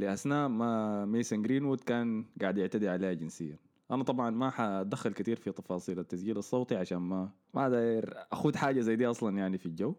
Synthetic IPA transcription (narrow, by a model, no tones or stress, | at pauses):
liʔasnaːʔmameːsaŋɡɾiːnwud̪kaːnɡaːʕd̪ʔɪʕt̪ad̪iʕaleːhad͡ʒɪnsɪjːan | ʔanat̪ˤɑbʕɑnmaħad̪axːalkat̪iːɾfit̪ˤːɑfɑːsˤiːlat̪ːasɡiːlɑsˤːoːt̪ˤiʕaʃaːnma | mad̪aːjɪɾʔaxuːd̪ħaːd͡ʒazajːd̪iːʔɑsˤlɑnjaʕnifild͡ʒawː